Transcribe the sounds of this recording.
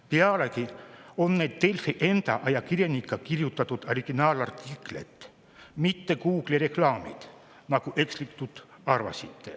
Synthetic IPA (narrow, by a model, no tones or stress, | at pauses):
peɑlekio̞nːe̞ːd̪̥t̪ːelfiʔe̞nd̪̥ɑ̰ʔɑjɑkirjenikːˑɑkirjut̪ːˑɑt̪ːˑud̪̥oriɡ̥inɑːlɑrt̪ːiklḛt̪ː | mit̪ːe̞kuːɡ̥liɾe̞klɑːmḭd̪̥ | nɑkuʔe̞kslikt̪ut̪ | ɑrvɑ̰sit̪ːe